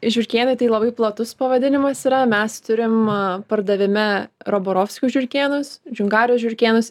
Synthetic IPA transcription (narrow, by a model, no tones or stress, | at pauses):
ʒʲʊɾʲkʲeːnɐɪt̪ɐɪlˠɐbɐɪplˠɐt̪ʊspɐʋɐd̪ʲɪnʲɪmɐsiːɾɐmʲɛst̪ʊɾʲɪmpɐɾd̪ɐʋʲɪmʲɪɾoːboːɾoːfʲsʲkʲʊʒʲʊɾʲkʲeːnʊsd͡ʒʲʊŋɡɑːɾʲɪjoːʒʲʊɾʲkʲeːnʊs